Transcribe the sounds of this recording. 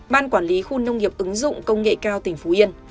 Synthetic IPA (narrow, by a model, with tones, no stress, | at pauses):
ɓaː˧nkwaː˧˩nli˨˦xu˧nə˧wŋ͡mŋi˨˩əp̚ʔɨ˨˦ŋzʊ̰˧˨ŋ͡mkə˧wŋ͡mŋḛ˧˨kaː˧wt̪ï˨˩ŋ̟fu˨˦ʔi˧ən